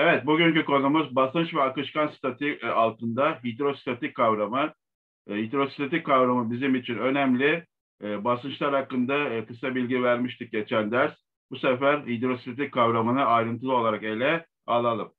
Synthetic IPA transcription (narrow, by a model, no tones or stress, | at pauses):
evɛt̪̚buɟyɲcyko̞numuzbasɯnt͡ʃvɛakɯʃkansi̥t̪ʰet̪ʰialˠt̪ʰɯnd̪aɦid̪ɾo̞si̥t̪ʰet̪ic̚kʰːavɾamɯ | hid̪ɾo̞si̥t̪ʰet̪ickʰːavɾamɯbizimit͡ʃʰinø̞nɛmlʲɪ | basɯnt͡ʃlˠaɾhakːɯnd̪akɯsabilʲɟivæɾmiʃt̪ʰik̚ɟe̞t͡ʃʰænd̪æɾs | b̥usefæɾhid̪ɾo̞si̥t̪ʰet̪ickʰːavɾamɯnɯajɾɯnt̪ʰɯlˠɯo̞lˠaɾake̞lʲɛ | alˠalˠɯm